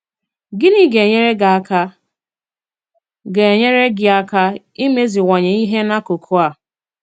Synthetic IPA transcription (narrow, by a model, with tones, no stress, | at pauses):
ɡɪ˦ni˦ɡe˨ɲe˦ɾe˦ɡa˨a˨ka˦ | ɡe˨e˨ɲe˦ɾe˦ɡɪ˨a˦ka˦ | i˦me˦zi˨wa˨ɲe˨i˦ɦe˦na˦kʊ˨kʰʊ˦a˨